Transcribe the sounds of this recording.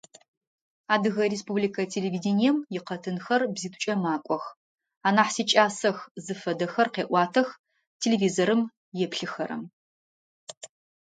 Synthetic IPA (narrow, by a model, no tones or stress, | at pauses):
aːdɨɣɐrespublikʰɐtʰeleviːdenijɛmjɪqɐtʰɨnxɐrbziːtʰʼʊ̥t͡ʃʼɐmaːkʷʼɔx | aːnaːħsit͡ʃʼaːsɐxzɨfɐdɐxɐrqeːʔʷɑːtʰɐx | tʰeleviːzoɾɨm | jɛpɬɨxɐɾɐ̰m